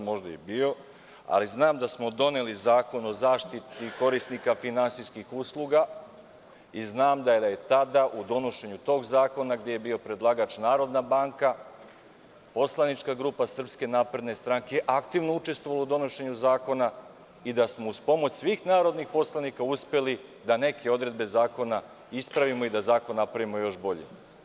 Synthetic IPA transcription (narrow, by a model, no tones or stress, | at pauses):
mo̞ʒd̪ajḛbiːo̞ | a̰liznaːmd̪asmo̞d̪o̞ne̞lizaːko̞no̞zaːʃt̪it̪iko̞ɾisnikafinansijskixuːslˠuɡa | iznaːmd̪ajd̪aje̞t̪ad̪aʔud̪o̞no̞ʃe̞ɲut̪o̞ːɡzaːko̞naɡd̪jeje̞biːo̞pɾe̞d̪lˠaɡat͡ʃnaːɾo̞d̪nabaŋka | po̞slˠanit͡ʃkaɡɾuːpasr̩pske̞naːpɾed̪ne̞st̪ɾaŋke̞jeʔakt̪iʋnout͡ʃe̞st̪vo̞ʋalaud̪o̞no̞ʃe̞ɲuzaːko̞na | id̪asmo̞uspo̞mo̞t͡ɕsʋiːxnaːɾo̞d̪nixpo̞slˠanikauspe̞lid̪ane̞kʰe̞o̞d̪ɾe̞d̪be̞zaːko̞na | ispɾaʋimo̞id̪azaːko̞nːapɾaʋimo̞jo̞ʃbo̞ʎḛ